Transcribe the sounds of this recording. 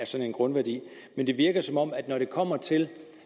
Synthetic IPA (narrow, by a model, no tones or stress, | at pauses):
æɐsɒ̽ne̝nɡ̥ʁɔ̽nʋæɐd̥ḭː | mend̥e̝ʋiɐɡ̥ɐsɒ̽mɒ̽m̰æd̥nɒɾ̥e̝kʰɒ̽m̰ɐt͡sʰe̝l